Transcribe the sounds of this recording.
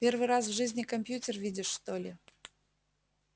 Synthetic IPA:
pʲe̞rvɨɾas̬vʐɨzʲnʲɪkɐmʲpʲjutʲɪrvʲidʲɪʂst̪olʲɪ

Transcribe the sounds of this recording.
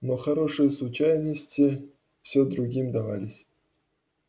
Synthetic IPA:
noxaɾoʂɨjslˠut͡ɕajnəsʲtʲi | fsʲod̪ɾuɡʲimʲd̪ɑʋɑ̰lʲisʲ

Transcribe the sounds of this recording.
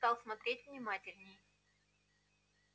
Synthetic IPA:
t̪ɑlˠsmɐt̪ɾʲetʲvnʲɪmatʲɪlʲnʲɪj

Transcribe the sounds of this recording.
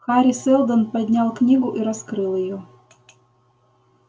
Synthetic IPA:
xaɾʲisɛlˠd̪ənpɐd̪ʲnʲalˠknʲiɡuʔiɾɐskɾɨlˠɪju

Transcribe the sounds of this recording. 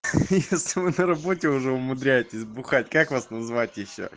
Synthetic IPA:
jesʲlʲɪvɨnəɾɐbo̞tʲɪʊʐɛʊmʊd̪ɾʲæjɪtʲɪsʲbʊxatʲkakvasnɐzvatʲjɪɕːo̰

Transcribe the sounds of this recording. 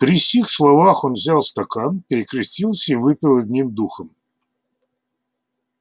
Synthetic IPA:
pɾʲisʲixslˠɔʋaxɔnvzʲalˠst̪ɐkanpɪikɾɪsʲtʲilˠsʲɐiʋɪpʲɪlˠɐd̪ʲnʲimd̪uxɐm

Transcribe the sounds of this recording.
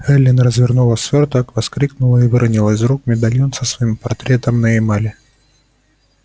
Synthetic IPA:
ɛlʲːɪnrəzvʲɪrnulˠəsʲvʲort̪əkvɐskɾʲiknʊlˠəivɨɾɐnʲilˠəs̬ʲrukmʲɪd̪ɐlʲjonsəsvɐimpɐrt̪ɾʲet̪əmnəjejmalʲɪ

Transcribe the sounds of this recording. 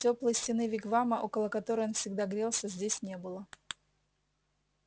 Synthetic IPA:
tʲoplˠəjsʲtʲɪnɨvʲɪɡvaməʔokəlˠəkɐt̪oɾəjonfsʲɪɡd̪aɡɾʲelˠsʲəzʲdʲesʲnʲe̞bɨlˠə

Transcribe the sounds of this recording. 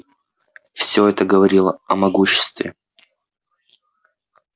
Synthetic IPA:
fsʲoɛt̪əɡəvɐɾʲilˠəɐmɐɡuɕːɪ̥st̪vʲɪ̰

